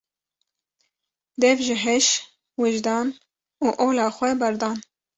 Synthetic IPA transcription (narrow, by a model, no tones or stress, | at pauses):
d̪ɛvʒɪɦɛʃ | wɨʒd̪ɑːn | uːʔoːlɑːxʷɛbɛɾd̪ɑːn